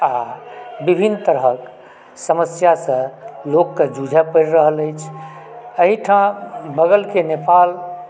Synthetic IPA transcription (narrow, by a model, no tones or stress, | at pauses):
abibʱint̪əɾɦək | səməsjasə̃lokːed͡ʒud͡ʒʱɛpəɾɾəɦələjt͡ʃʰ | əɦiʈʰãbəɡəlkenepal